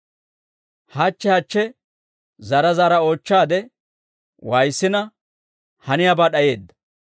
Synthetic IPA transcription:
hɐt͡ʃːɛhɐt͡ʃːɛ | zɐɾɐzaːɾɐo̞ːt͡ʃːaːd̪ɛ | wɐjsːɪnɐ | hɐnɪjabaːɗɐje̞ːd̪ːɐ̥

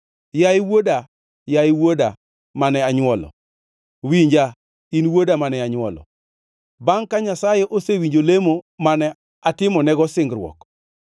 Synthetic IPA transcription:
jaiwoda | jaɪwoda | manɛaɲwɔlɔ̰ | wiɲd͡ʒa | inwodamanɛaɲwɔlɔ̰ | baŋkaɲasajɛʔosewiɲd͡ʒolemomanɛ | atɪmɔnɛɡɔsɪŋɡɾwɔ̰k

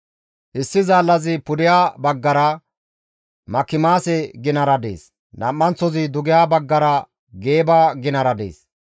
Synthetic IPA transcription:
ʔɪsːɪzaːlːɐzɪpʊd̪ɪjaːbɐɡːɐɾɐ | mɐkːɪmaːsɛɡɪnɐɾɐd̪ḛːs | nɐ̰mːɐnt͡sːɔzɪd̪ʊɡɪjaːbɐɡːɐɾɐ | ɡe̞ːbaːɡɪnɐɾɐd̪ḛːs

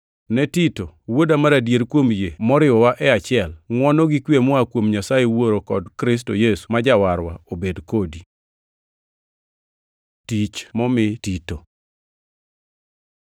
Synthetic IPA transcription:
nɛtitowodamaɾadjeɾkwomjemɔɾɪwɔwaʔɛat͡ʃɪɛlŋwɔnɔɡikwjemɔakwomɲasajewoɾokɔdkɾɪs̬tojesu̥mad͡ʒawaɾwa̰obedkodi | tit͡ʃmɔmɪtito

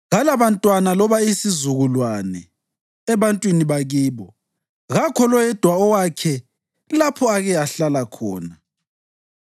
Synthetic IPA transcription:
ɣalaβantʼwanalɔβaisizuɣulwanɛ̰ | ɛβantʼwiniβaɣiːβɔ | ɣakʰɔlɔjɛd̥ʱwaɔwakʰɛ | lapʰɔaɣɛjaɬalakʰɔ̰ːna

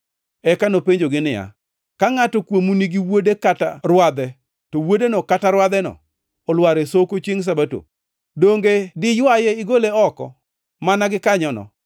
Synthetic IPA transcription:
ɛkanopeɲd͡ʒoɡɪnɪja̰ | kaŋatɔkwomuniɡɪwodekataɾwad̪ɛ | tɔwodenɔkataɾwad̪ɛnɔ̰ː | lwaɾesokot͡ʃiŋs̬abato̰ | doŋɡedɪjwajeɪɡoleɔkɔ̰ | manaɡɪkaɲɔnɔ̰

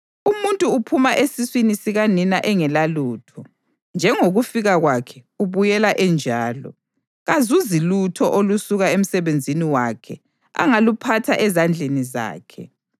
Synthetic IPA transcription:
umuntʼuːpʰumaʔesiswinisiɣaninaʔɛŋɛlaluːtʰɔ | nd͡ʒʱɛŋoɣufiɣaɣwakʰɛuβujɛlaʔɛnd͡ʒʱaːlɔ̰ | ɣazuzilutʰɔʔolusuɣaem̩sɛβend͡zʱiniwakʰɛ | a̰ŋalupʰatʰa̰ʔɛzand͡ɮʱeniza̰ːkʰɛ̰

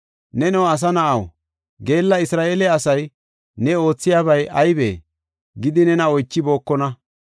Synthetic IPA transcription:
nɛnɛwɐs̬ɐnɐʔɐw | ɡe̞ːlːɐɪsɾaːeːlɛɐsɐj | nɛo̞ːt͡sːɪjaːβɐjʔɐjbḛː | ɡɪd̪ɪnɛnɐɔjt͡ʃːɪbo̞ːkːɔnɐ

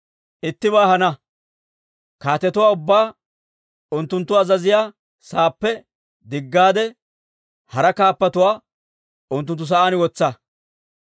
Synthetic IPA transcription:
ʔɪt̪ːɪbaːhɐnɐ | kaːt̪ɛt̪ʊwaːʊbːaː | ʊnt̪ːʊnt̪ːʊɐzɐzɪjaː | saːpːɛ | d̪ɪɡːaːd̪ɛ | hɐɾɐkaːpːɐt̪ʊwaː | ʊnt̪ːʊnt̪ːʊs̬ɐʔaːnwɔt͡sːɐ

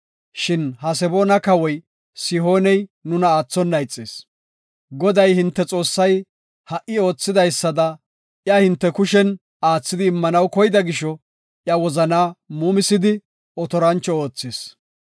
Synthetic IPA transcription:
ʃɪnhɐs̬ɛboːnɐkɐwɔj | sɪɦo̞ːnɛjnʊnɐaːt͡sːɔnːɐjt͡sʼːḛːs | ɡɔd̪ɐjhɪnt̪ːɛt͡sʼo̞ːsːɐj | hɐʔːɪo̞ːt͡sːɪd̪ɐjsːɐd̪ɐ | ʔjɐhɪnt̪ːɛkʊʃɛn | aːt͡sːɪd̪ɪːmːɐnɐwkɔjɪd̪ɐɡɪʃɔ | ʔjɐwɔzɐnaːmuːmɪsɪd̪ɪ | ɔt̪ɔɾɐnt͡ʃːɔoːt͡sːes

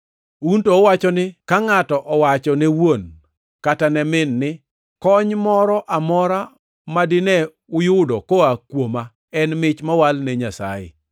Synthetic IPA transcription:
untoɔwat͡ʃɔnɪkaŋatɔʔɔwat͡ʃɔnewon | katanɛmɪnːɪ | kɔɲmɔɾɔʔamɔɾa | madɪnɛ | ʊjʊdɔkoakwoma | ɛnmɪt͡ʃmawalnɛɲasa̰jɪ̰

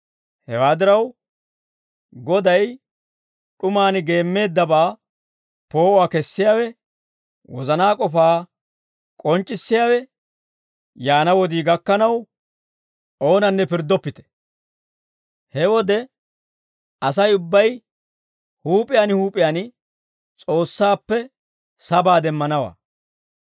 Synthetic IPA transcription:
hɛwaːd̪ɪɾɐw | ɡɔd̪ɐj | ɗʊmaːnɡe̞ːmːe̞ːd̪ːɐbaː | po̞ːʔʊwaːkɛsːɪjaːwɛ | wɔzɐnaːkʼɔfaː | kʼɔnt͡ʃʼːɪsːɪjaːwɛ | jaːnɐwɔd̪iːɡɐkːɐnɐw | ʔo̞ːnɐnːɛpɪɾd̪ːɔpːɪt̪ɛ̥ | hɛwɔd̪ɛ | ʔɐsɐjʊbːɐj | huːpʼɪjaːnhuːpʼɪjaːn | t͡sʼo̞ːsːaːpːɛ | sɐbaːd̪ɛmːɐnɐwa̰ː

